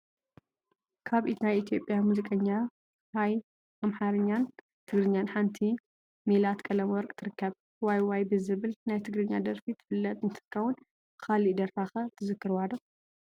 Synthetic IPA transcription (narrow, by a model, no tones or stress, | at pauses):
kʰaβʔit̪najit̪ʰjo̞pʼjamuzikʼɐɲːa | haj | amħaɾɨɲːan | t̪ʰɨɡɾɨɲːanħant̪ʰi | milat̪kʼɐlɐmwɔɾkʼt̪ʰɨɾɨkːɐβ | wajwajbɨzɨβɨlnajt̪ʰɨɡɾɨɲːad̪ɐɾfit̪ʰɨ̥fɨlːɐt̪ʼnɨt̪ʰɨ̥kʰːɐwʊn | kʰalid̪ɐɾfaxɐt̪ʰɨzɨkːɨɾwad̪ɐ